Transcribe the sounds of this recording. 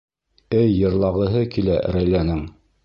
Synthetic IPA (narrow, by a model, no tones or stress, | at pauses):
ɘjːɤ̆ɾlˠɑʁɤ̆ɦɤkilæɾæjlænɘŋ